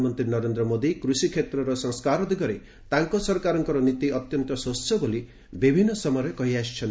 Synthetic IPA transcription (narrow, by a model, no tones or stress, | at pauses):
mɔnt̪ɾinɔɾend̪ɾɔmod̪ikɾusikʰet̪ɾɔɾɔsɔŋskaɾɔd̪iɡɔɾe | t̪aŋkɔsɔɾkaɾɔŋkɔɾɔnit̪iɔt̪jɔnt̪ɔsɔsɔboli | bibʱinːɔsɔmɔjɾɔkɔɦiasi̥t͡ʃʰɔn